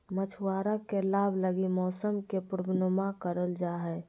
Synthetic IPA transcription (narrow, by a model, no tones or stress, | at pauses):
mət͡ʃʰuwaɾakelabʱləɡimɔːsəmkepuɾbʱnəmakəɾəld͡ʒaɦɛ